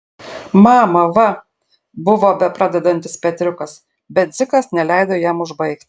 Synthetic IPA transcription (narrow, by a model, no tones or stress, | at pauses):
mɑːmɐʋɐ | bʊʋoːbʲɛpɾɑːd̪ʲɛd̪ɐnʲt̪ʲɪspʲɛt̪ʲɾʲʊkɐs | bʲɛt̪̚d̪zʲɪkɐsnʲɛlʲɛɪd̪oːjɛːmʊʒbɐɪkt̪ʲ